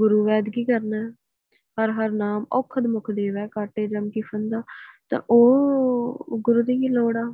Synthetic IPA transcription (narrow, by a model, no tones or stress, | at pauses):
ɡʊɾuːʋɛːd̪kiːkəɾnɛː | həɾɦəɾnaːmɔːkʰːəd̪mʊkʰd̪eːʋɛːkaːʈeːd͡ʒəmkɪfʰənd̪aːt̪ã̰ːʔoː | ɡʊɾuːd̪iːkiːloːɽaː